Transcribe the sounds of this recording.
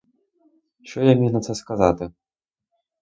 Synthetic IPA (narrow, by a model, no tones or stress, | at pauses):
ʃɔjamʲinɐt̪sɛskazat̪ɪ